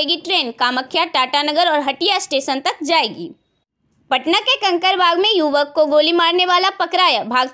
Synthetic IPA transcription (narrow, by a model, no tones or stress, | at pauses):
eːɡiʈɾeːnkaːməkʰːjaʈaːʈanɐɡəɾɔːɾɦɐʈijasʈeːʃənt̪ɐk̚d͡ʒaːeːɡḭː | pɐʈnakekɐ̃ŋkəɾbʱaːɡmẽjuːʋəkːoɡoːlimaːɾneʋaːlapɐkɾaːjabʱaːɡ